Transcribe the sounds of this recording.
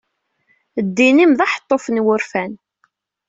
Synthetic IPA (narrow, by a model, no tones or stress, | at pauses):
d̪ːinimðɑħə̥t̪ˤːofənwʊɾfæn